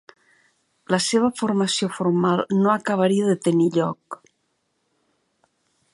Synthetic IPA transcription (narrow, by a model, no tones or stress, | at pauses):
ləseβ̞əformasiofoɾmalˠnoakaβ̞aɾiaðət̪eniʎɔk